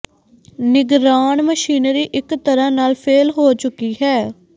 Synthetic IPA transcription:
nɪɡɾaːɳməʃiːnɾiːʔɪkt̪əɾãːnaːlpʰeːlɦoːt͡ʃʊkiːɦɛː

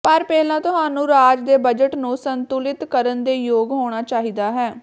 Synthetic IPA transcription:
pəɾpɛːlãːt̪ʊɦaːnũːɾaːd͡ʒd̪eːbəd͡ʒəʈnũːsənt̪uːlɪt̪kəɾənd̪eːjoːɡɦoːɽ̃aːt͡ʃaːɦiːd̪aːɦɛː

